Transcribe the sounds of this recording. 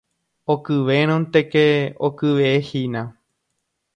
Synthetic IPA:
okɨʋeɾ̃õnt̪ekeokɨʋeehinã

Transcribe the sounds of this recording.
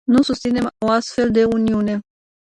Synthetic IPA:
nusust̪sine̞mo̞ast̪fe̞ld̪e̞uniune̞

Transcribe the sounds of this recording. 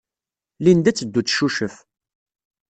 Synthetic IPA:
lind̪æt͡sːəd̪ːut͡sːʃuʃəf

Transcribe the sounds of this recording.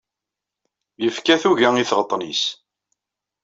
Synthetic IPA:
jəfkæθuʝæiθʁət̪ˤːnis

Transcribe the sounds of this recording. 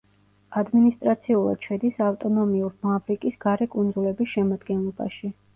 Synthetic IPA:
ad̪minist̪ʼɾat̪sʰiulˠa̰d̪̥ʃʰɛd̪isaft̪ʼɔnɔmiuɾmavɾikʼisɡ̥aɾɛkʼund̪zulɛbisʃɛmad̪ɡɛnlˠɔba̰ʃi

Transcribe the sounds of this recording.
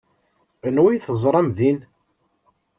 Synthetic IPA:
ənwijθəzˤɾˤɑmðin

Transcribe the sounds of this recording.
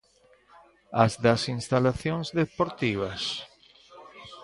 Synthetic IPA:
azðasinst̪alaθjoŋzðepoɾt̪iβɐs

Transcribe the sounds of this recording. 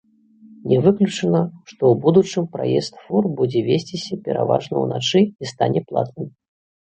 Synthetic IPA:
nʲɛvɨklʲut͡ʂɨnɐʂt̪ɔwbud̪ut͡ʂɨmpɾa̰jɛst̪furbud͡zʲɛvʲesʲt͡sʲisʲɐpʲɛɾa̰va̰ʐnɐuna̰t͡ʂɨist̪anʲɛplˠa̰t̪nɨm

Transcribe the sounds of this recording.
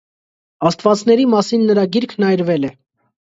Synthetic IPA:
ɑst̪vɑt͡snɛɾimɑsinːəɾɑɡiɾkʰnɑjɾvɛlɛ

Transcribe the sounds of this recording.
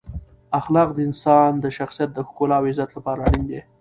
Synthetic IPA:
axlɑq̚d̪əɪnsɑnd̪əʃaxsijat̪̚d̪əhkolɑwɪzat̪lapɑɾaɽind̪e

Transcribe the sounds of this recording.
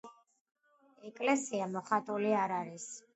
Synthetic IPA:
ɛkʼlɛsiamɔχat̪ʼuliaɾaɾis

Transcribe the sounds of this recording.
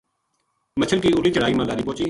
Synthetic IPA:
mət͡ʃʰəlkiːʊːliːt͡ʃəɽ̤aːiːmãːlaːɾiːpõːt͡ʃiː

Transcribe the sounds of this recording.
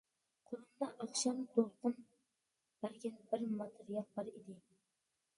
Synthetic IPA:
qʰʊɾɨmd̪ɑʔɑχʃɑmd̪olˠt̪ɨm | b̥æɾɡʲænbɪɾmɑt̪ʰɨɾijɑl̚bɑɾid̪ɪ

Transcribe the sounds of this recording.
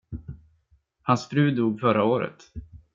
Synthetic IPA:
hansfɾʉ̟ːd̪uːɡfœɾaoːɾə̰t̪

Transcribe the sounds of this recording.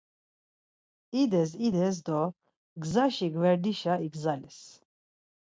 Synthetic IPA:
id̪ɛs̬id̪ɛs̬d̪ɔ | ɡzaʃiɡvɛɾd̪iʃaiɡzalis

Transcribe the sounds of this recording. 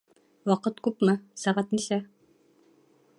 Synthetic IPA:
wɑqɤt̪kʉpmɤsæʁæt̪nisæ

